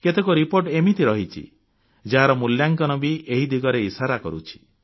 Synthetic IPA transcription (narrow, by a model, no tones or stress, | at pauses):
ket̪ekuɾipoɾʈemit̪iɾɔɦit͡ʃʰḭ | d͡ʒaɦaɾɔmuljaŋkɔnɔbiʔeɦid̪ʱiɡɔɾeisaɾakɔɾut͡ʃʰi̥